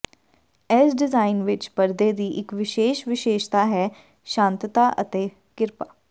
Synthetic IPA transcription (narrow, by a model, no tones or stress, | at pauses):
ɛsɖɪzaːinʋɪt͡ʃpəɾd̪eːd̪iːʔɪkʋɪʃeːʃʋɪʃeːʃt̪aːɦɛː | ʃãːnt̪t̪aːʔə̰t̪eː | kɪɾpaː